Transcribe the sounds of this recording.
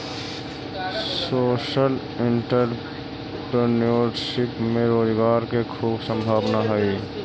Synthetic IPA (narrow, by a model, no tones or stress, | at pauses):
soːʃəl | ɪ̃ɳʈəɾ | ʈonoɖʃɪpmẽɾoːzɡaːɾkekʰuːbsə̃mbʱaːʋnaɦoi